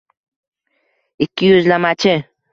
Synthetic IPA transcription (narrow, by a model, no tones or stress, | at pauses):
ɪkʲːɪjɵzlamat͡ʃʰɪ